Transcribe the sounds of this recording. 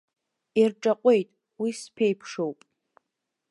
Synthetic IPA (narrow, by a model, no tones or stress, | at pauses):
irʈ͡ʂʼaqʷʼe̞jtʼ | wispʰejpʰʂo̞wpʼ